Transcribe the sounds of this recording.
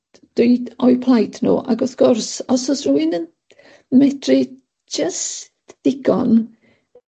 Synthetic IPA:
d̥iːdɔjpʰlˠajdʰnṵːʔa̰ɡɔθɡ̥ʊrsɔsɔsruɨnən | mɛdrɪ | d͡ʒəstd̥ɪɡ̥ɔ̰n

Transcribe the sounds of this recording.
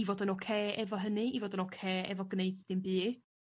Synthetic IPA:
ivoːdənokʰeːɛvɔɦənɨivoːdənokʰeːɛ̰vɔɡneɨdd̥ɪmbɨːd̥

